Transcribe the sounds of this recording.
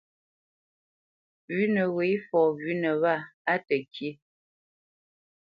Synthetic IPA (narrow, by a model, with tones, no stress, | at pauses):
vʉ˦nə˨we˨˦fɔ˨vʉ˨˦nə˨βa˦˨a˦tə˨kʰje˦